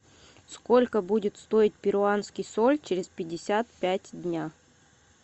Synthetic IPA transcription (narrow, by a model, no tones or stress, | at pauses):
sko̞lʲkəbudʲɪt̪st̪o̞ɪt̚ʲpʲɪɾʊanskʲɪjsolʲt͡ɕeɾʲɪspʲɪdʲɪsʲat̪̚pʲætʲdʲnʲa